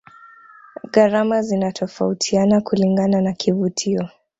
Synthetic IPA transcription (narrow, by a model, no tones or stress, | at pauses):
ɣaɾamazinatʰɔfautʰianakuliŋɡananakʰivutʰiɔ